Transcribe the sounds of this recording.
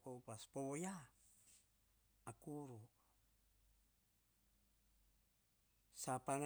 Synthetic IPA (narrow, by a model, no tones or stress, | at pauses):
popaspowoja | akuɾu | sapaŋ